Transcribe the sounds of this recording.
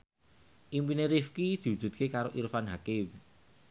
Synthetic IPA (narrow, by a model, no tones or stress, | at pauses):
ʔimpineɾifkid̪̥i̤wu̥ʒ̥ṳt̪̚kekaɾoʔiɾufanɦakew